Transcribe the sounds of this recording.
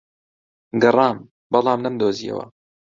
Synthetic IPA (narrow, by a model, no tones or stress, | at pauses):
ɡɨrˤɑːm | bɑlˠɑːmlɐmd̪oːziːɐ̰wɐ̰